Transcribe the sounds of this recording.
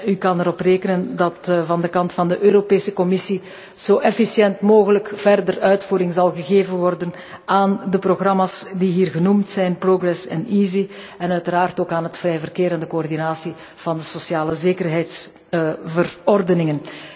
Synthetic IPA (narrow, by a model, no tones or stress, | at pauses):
ykɑnɛɾɔpreːkənəndɑtvɑndəkɑntfɑndəʔøːɾopeːsəkɔmɪsi | z̥oːʔɛfisjɛntmoːɣələkv̥ɛrdərœɥtfuːɾɪŋzɑlˠɣəɣeːvənʋɔrdən | aːndəproɣrɑmaːsdiɦiːrɣənumtsɛjnproɡrɛsɛ̰nizi | ɛnœɥtəɾaːrtoːkaːnɦətfrɛjvərkeːɾəndəkoɔrdinaːsi | v̥ɑndəsosjaːləzeːkərɦɛjts | vərɔrdənɪŋən